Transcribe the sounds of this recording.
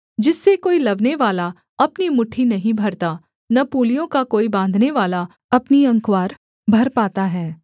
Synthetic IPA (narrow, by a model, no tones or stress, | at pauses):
d͡ʒɪsːekoːilɐʋneʋaːla | ɐpnimʊʈʰinɐɦĩbʱɐɾt̪a | nɐpuːlijõkakoːibãːnd̪ʱneʋaːla | ɐpniɐ̃ŋkwaːɾ | bʱɐɾpaːt̪aɦɛː